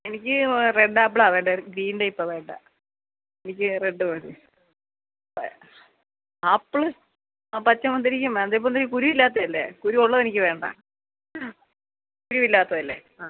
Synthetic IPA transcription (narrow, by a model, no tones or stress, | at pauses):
enikʲːɨreɖːaːp̬ːɭaːʋeːɳɖɐɡɾiːnɖɐjipːɐʋe̞ːɳɖa̰ | enikʲːɨreɖːɨʋɐi | ɐpːɭɨ | apɐt͡ɕːɐmʋɐnd̪iɾikʲːumnd̪ep̬ːonɾikuɾuʋilːaːt̪̬ːɐðɐlːḛkuɾuoɭːɐðenikʲːɨʋe̞ːɳɖa̰ː | kuɾuʋilːaːt̪ːɐðɐlːe | aː